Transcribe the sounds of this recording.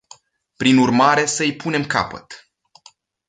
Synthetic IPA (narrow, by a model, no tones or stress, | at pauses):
pɾinurmaɾe̞səɨjpʰune̞mka̰pə̰t̪